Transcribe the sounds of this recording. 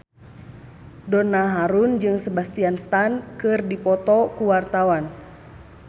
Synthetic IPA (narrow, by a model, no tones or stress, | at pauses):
dɔnaɦaɾund͡ʒɨŋsəbast̪ianst̪ankɨrdipɔt̪ɔkuwart̪awan